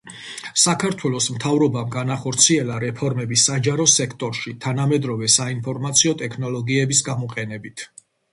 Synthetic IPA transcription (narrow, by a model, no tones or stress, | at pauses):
sakʰaɾt̪ʰwɛlˠɔsmt̪ʰavɾɔbamɡanaχɔɾt̪sʰiɛlˠaɾɛpʰɔɾmɛbisad͡ʒaɾɔsɛkʰt̪ʼɔɾʃit̪ʰanamɛd̪ɾɔvɛsainpʰɔɾmat̪sʰiɔt̪ʼɛkʰnɔlˠɔɡiɛbisɡamɔqʼɛnɛbit̪ʰ